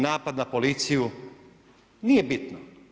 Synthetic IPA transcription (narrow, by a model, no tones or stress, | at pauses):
naːpad̪napo̞lit̪siju | nijebit̪no